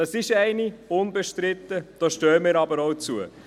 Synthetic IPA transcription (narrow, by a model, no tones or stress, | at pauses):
ɑsɪʃɛɪniʊnbəʃtɾɪt̪ːəd̥oʃtøːəmɪːɾɑbəɾoʊt͡suə